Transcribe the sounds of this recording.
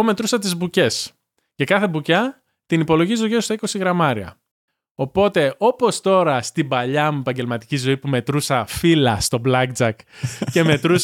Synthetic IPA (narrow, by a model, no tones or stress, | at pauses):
ome̞t̪ɾusɐt̪izbuce̞s | ce̞kɐθe̞bucɐ | t̪inipo̞lo̞ʝizoʝest̪ɐiko̞siɣɾɐmɐɾiɐ̰ | o̞po̞t̪e̞o̞po̞st̪o̞ɾɐst̪ibɐʎɐmuepɐɲɟe̞lmɐt̪i̥cizo̞ipume̞t̪ɾusɐfilɐst̪o̞blɐɡd͡zɐkce̞me̞t̪ɾu